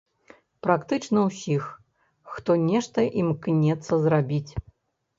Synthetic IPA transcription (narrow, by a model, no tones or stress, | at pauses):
pɾakt̪ɨt͡ʂnɐwsʲix | xt̪ɔnʲɛʂt̪ɐʔimknʲɛt̪sːɐzrabʲit͡sʲ